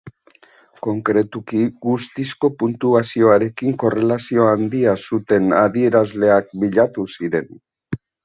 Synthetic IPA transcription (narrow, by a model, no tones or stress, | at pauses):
ko̞ŋkɾe̞t̪ukiɡust̪isko̞punt̪uasio̞aɾe̞kiŋko̞re̞lasio̞and̪iasut̪e̞naðie̞ɾazle̞ak̚biʎat̪usiɾe̞n